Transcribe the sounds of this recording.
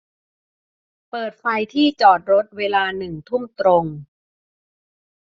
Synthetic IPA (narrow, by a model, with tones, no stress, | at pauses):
pɤː˨˩t̪̚fa˧jt̪ʰiː˥˩t͡ɕɔː˨˩t̪̚ɾo˦˥t̪̚weː˧laː˧nɯ˨˩ŋt̪ʰu˥˩mt̪ɾo˧ŋ